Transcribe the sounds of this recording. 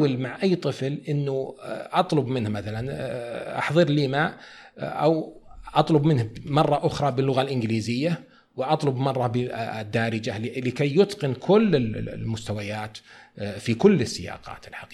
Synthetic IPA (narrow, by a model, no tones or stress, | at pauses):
wɪlmaʕʔajːt̪ˤɨflʔɪnːuʔɑt̪ˤlʊbmɪnhmaθalanʔɑ̰ħðˤɨɾɪliːmaːʔ | ʔawʔɑt̪ˤlʊbmɪnhmɑrˤːɑʔʊxɾˤɑbɪlːʊɣalʔɪnɡliːzɪjːa | wɪʔɑt̪ˤlʊbmɑrˤːɑbɪd̪ːaːɾɪd͡ʒalɪkajːʊt̪qɪnkʰʊlːɪllmʊst̪awajaːt̪fikʊlːɪsːɪjɑ̰ːqɑ̰ːt̪ɪlħɑqiː